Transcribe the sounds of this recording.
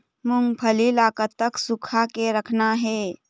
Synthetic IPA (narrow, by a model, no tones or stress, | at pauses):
muŋɡpʰəlilaːkət̪ːəksukʰakeɾəkʰnaɦeː